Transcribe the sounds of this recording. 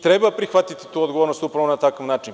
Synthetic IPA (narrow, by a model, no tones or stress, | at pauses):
t̪ɾebapɾixʋat̪it̪i̥t̪uːod̪ɡoʋoɾnost̪upɾaʋonat̪akaʋnaːt͡ʃin